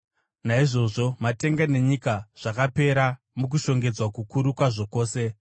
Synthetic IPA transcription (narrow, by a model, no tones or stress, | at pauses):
naiʐo̞ʐo̞mate̞ŋɡane̞ɲikaʐ̥akape̞ɾa | muk̬uʃo̞ŋɡe̞d͡zwakukuɾukwaʐo̞ko̞ːse̞